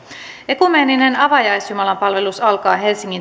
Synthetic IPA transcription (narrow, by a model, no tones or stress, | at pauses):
e̞kumeːnine̞nɑʋɑjɑjsjumɑlɑmpɑlʋe̞lusɑlkɑːɦe̞lsiŋːin